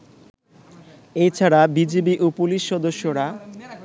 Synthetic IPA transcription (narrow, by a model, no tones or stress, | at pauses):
ejt͡ɕʰaɽabid͡ʑebiʔupoliʃːɔd̪oʃːoɾa